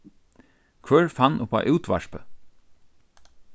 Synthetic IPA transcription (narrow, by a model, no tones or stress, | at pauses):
kʰʋœːɹfanːʊpa̰ʔʉwt̪ʋa̰ʃpə